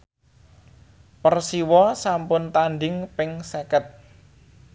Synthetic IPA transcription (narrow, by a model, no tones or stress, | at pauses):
pərsiwɔsampʊnt̪anɖɪŋpɪŋsɛkət̪̚